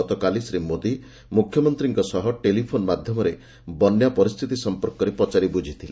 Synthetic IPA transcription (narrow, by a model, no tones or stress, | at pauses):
ɔt̪ɔkalisɾimːod̪i | mukʰjɔmɔnt̪ɾiŋkɔsɔɦɔʈelipʰonɔmad̪ʱjɔmɔɾe | bɔnjapɔɾist̪ʰit̪isɔmpɔɾkɔɾepɔt͡ʃaɾibud͡ʒʱit̪ʰile